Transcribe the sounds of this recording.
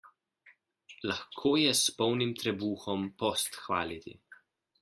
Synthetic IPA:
laxkʰoːjɛspɔwnimt̪ɾɛbuːxɔmpɔst̪xʋa̰ːlit̪ḭ

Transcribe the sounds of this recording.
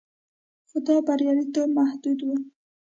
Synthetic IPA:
xʊd̪ɑbaɾjɑlit̪omahd̪ud̪wu

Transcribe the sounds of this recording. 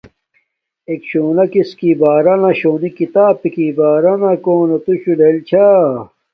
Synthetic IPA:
ekɕoːnɐkiskibaːɾɐnɐɕoːnikit̪aːpikibaːɾɐnɐkoːnet̪uɕulelt͡ɕʰaː

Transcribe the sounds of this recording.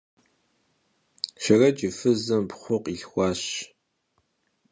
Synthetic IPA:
ʃɐrɐt͡ʃʼɪfɨzɐmpχʷʊqʼiɬxʷɑːɕ

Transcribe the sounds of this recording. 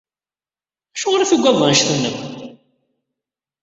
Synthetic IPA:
æʃʊʁɾæθuɡʷːæðˤənʃθunːəm

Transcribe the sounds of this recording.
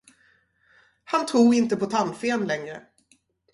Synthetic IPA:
hant̪ʰɾuːɾɪnt̪əpʰɔt̪ʰanfeːnlɛŋɾə

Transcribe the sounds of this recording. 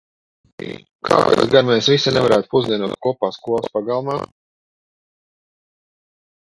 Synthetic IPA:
kʰa̰ːɛ̰zɡaɾmɛsvisanɛvaɾaːt̪̚puzd̪ʲiɛnuɔt̪̚kuɔpaːskuɔlˠaspaɡalˠmaː

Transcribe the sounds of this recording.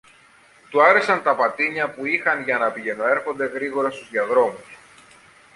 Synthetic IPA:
t̪uɐɾe̞sɐnt̪ɐpɐt̪iɲɐpuixɐnʝɐnɐpiʝe̞no̞e̞ɾxo̞nd̪e̞ɣɾiɣo̞ɾɐst̪uzðiɐðɾo̞mus

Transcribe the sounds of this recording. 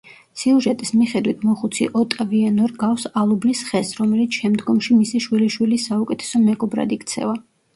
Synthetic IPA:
siuʒɛt̪ʼismiχɛd̪wit̪ʰmɔχut̪sʰḭʔɔt̪ʼavianɔɾɡafsalˠublisχɛsɾɔmɛlit̪sʰʃɛmd̪ɡɔmʃimisiʃwiliʃwilisaukʼɛt̪ʰɛ̥sɔmɛɡʼɔbɾa̰d̪ikʰt̪sʰɛ̰va

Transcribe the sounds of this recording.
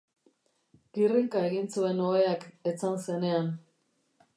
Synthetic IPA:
ɡiriŋkae̞ɣint͡sue̞no̞eake̞t͡sanse̞ne̞an

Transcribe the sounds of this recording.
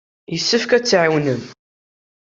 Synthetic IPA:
jəsːəfkæt͡sːʕawnəm

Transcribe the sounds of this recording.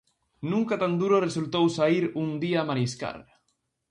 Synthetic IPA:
nũŋkat̪and̪uɾoresult̪owsaiɾund̪iaːmaɾiska̰ɾ

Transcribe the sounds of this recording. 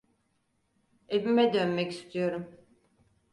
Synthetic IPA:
evimɛd̪ønmɛci̥st̪ʰijo̞ɾum

